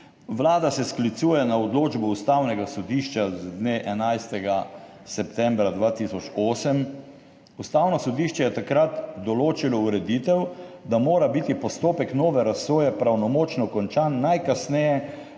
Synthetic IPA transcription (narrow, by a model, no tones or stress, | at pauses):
ʋlaːd̪asɛsklit̪suːjɛnaɔd̪loːd͡ʒbɔust̪awnɛɡasɔd̪iʃt͡ʃazd̪neʔɛnajst̪ɛɡa | sɛpt̪ɛmbɾad̪ʋaːt̪isɔt͡ʃoːsəm | ust̪aːwnɔsɔd̪iːʃt͡ʃɛjɛt̪akɾat̪d̪ɔloːt͡ʃilɔuɾɛd̪iːt̪ɛwd̪amoːɾabit̪ipɔst̪oːpɛknoːʋɛɾasʋoːjɛpɾawnɔmoːt͡ʃnɔkɔnt͡ʃanːajkasnɛjɛ